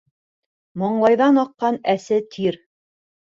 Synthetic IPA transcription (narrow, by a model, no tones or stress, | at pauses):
mŏɴlˠɑjðɑnɑqːɑnæsɘt̪ʰiɾ